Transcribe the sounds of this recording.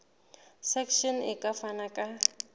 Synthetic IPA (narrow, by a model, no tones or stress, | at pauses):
sɛkʰʃɔnɪkʼafanakʼa